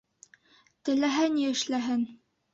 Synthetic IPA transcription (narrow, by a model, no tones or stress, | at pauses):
t̪ɘ̆læɦæniɘ̆ʃlæɦɘn